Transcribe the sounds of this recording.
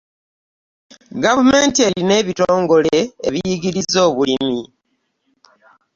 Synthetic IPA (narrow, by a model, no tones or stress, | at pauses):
ɡavume̞ːntie̞line̞ːβitoːŋɡo̞leḛβijiɡiɾizo̞ːβulimi